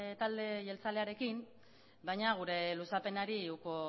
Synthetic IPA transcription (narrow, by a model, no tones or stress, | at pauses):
t̪ald̪e̞ʝe̞lt͡sale̞aɾe̞kim | bajɲaɣ̞uɾe̞lusape̞naɾiuko